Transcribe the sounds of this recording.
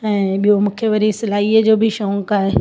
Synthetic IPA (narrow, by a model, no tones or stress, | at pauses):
ɛ̃ːɓijomʊ̃kʰeʋɐɾisɐlaːiːəd͡ʑoːbʱɪʃɔ̃ŋkaːɦe